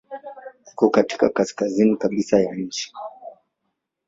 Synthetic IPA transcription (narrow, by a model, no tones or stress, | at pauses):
hukɔkati̥ka̰kaskazinikaɓisajaɲ̩t͡ʃi̥